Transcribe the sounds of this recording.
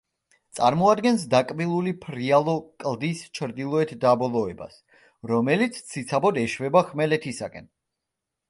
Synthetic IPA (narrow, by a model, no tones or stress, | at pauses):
t̪sʼaɾmɔad̪ɡɛns̬d̪akʼmilˠulipʰɾialˠɔkʼlˠd̪ist͡ʃʰɾd̪ilˠɔɛt̪ʰd̪abɔlˠɔɛba̰s | ɾɔmɛlit̪sʰsʰit̪sʰabɔd̪ɛʃvɛbaχmɛlɛt̪ʰisakʼɛ̰n